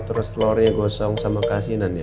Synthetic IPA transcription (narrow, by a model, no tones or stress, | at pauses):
t̪əɾʊst̪lɔɾiaɡɔsɔŋsamakasinanja